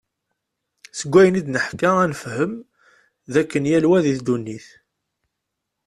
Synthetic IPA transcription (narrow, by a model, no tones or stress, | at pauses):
səɡʷːæjənid̪nəħkaænfhəm | ðækːənjælwæðiθd̪unːiθ